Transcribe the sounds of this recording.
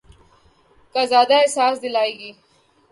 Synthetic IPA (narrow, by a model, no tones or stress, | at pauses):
kaːzaːd̪aesaːsd̪ɪlaːeːɡiː